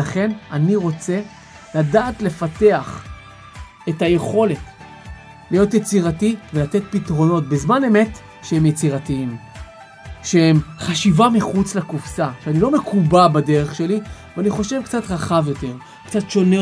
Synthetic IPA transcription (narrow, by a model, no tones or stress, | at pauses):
aχe̞naniʁo̞t͡se̞ | ladaːtle̞fate̞aχ | etaje̞χo̞le̞t | lijo̞t̪̬jet͡siʁativelat̪e̞t̚pitʁo̞no̞t̚bezmane̞me̞t | ʃehemjet͡siʁatiim | ʃehemχaʃivamiχut͡slakufsaʃeanilo̞me̞kʰubabade̞ʁe̞χʃe̞liveaniχo̞ʃe̞vkt͡satʁaχavjo̞te̞ʁ | kt͡satʃo̞ne